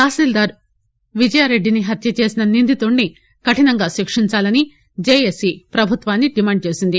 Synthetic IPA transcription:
kaːsiːld̪aːɾ | ʋid͡ʒɐjaːɾe̞ɖːiniɦɐt̪jɐt͡ʃe̞ːsinɐnind̪ʱit̪oːɳːi | kɐʈinɐŋɡaːʃikʂiɲt͡ʃaːlɐni | d͡ʒeːjesipɾɐbʱut̪ʋaːnːiɖimaːɳɖ̚t͡ʃe̞ːsind̪i

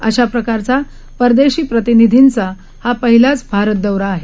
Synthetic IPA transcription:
əɕapɾəkaɾt͡sa | pəɾd̪eɕiːpɾət̪inid̪ʱint͡sa | hapəɦilat͡sbʱaɾət̪̚d̪əwɾaːɦe

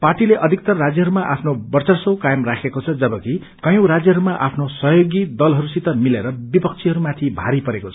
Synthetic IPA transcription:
parʈileʔʌd̪ʱik̚t̪ʌrrad͡zjʌɦʌɾumaʔapʰnobʌrt͡sʌrsʌwkajʌmrakʰekot͡sʰʌd͡zʌbʌki | kʌjõwɾad͡zjʌɦʌɾumaʔapʰnosʌɦjoɡid̪ʌlɦʌɾusit̪ʌmileɾʌbipʌk̚t͡sʰiɦʌɾumat̪ʰibʱa̰ɾipʌɾekot͡sʰʌ̥

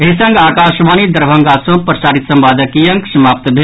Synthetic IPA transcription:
eɦisɐ̃ŋɡaːkaːʃʋaːnid̪ɐɾbʱɐ̃ŋɡasõpɾɐsaːɾit̪sɐ̃mbaːd̪əkijɐ̃ŋksɐmaːp̚t̪bʱe

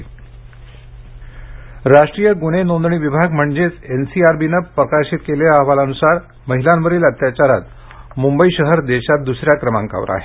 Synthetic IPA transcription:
ɾaʂʈɾijəɡuɽ̃enond̪ɳiːʋibʱaɡm̤əɳd͡ʑet͡sensiaɾbinəpɾəkaɾɕit̪̚kelaːʋalanusaɾ | məɦilanʋəɾiːlət̪jat͡ɕaɾa̰t̪ | mumbəiɕəɦəɾd̪eɕat̪̚d̪usɾjakɾəma̰ŋka̰ʋɾa̰ɦe

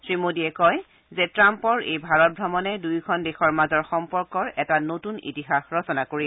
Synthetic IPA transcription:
sɹimodiɛkɔj | zɛtɹampɔɹejbʱaɹɔt̚bʱɹɔmɔnɛdujkʰɔndexɔɹmazɔɹxɔmpɔɹkɔɹɛtanotunḭtixaxɹɔsɔnakoɹi

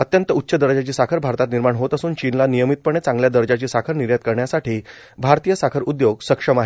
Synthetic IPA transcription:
ət̪jənt̪əut̪ːɕəd̪əɾd͡ʑat͡ɕiːsakʰəɾbʱaɾt̪at̪niɾmaɳɦot̪əsuːnt͡ɕinlanijəmit̪̚pəɳ̃et͡sãŋɡljad̪əɾd͡ʑat͡ɕiːsakʰəɾniɾjat̪̚kəɾɳjasaʈiː | bʱaɾt̪ijəsakʰəɾud̪joɡsəkʂəmaɦi

